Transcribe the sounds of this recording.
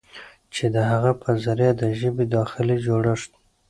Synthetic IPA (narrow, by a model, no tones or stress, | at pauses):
t͡ʃed̪əɦaɣapʰəzaɾjɑd̪əʒəbed̪ɑxɪlid͡ʒoɽəʂt̪